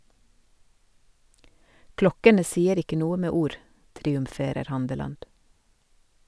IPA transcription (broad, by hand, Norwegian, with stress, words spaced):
ˈklɔkənə ˈsiːəɾ ˈɪkə ˈnuːə ˈmeː ˈuːɾ tɾiːʉmˈfeːɾəɾ ˈhɑndəlɑnd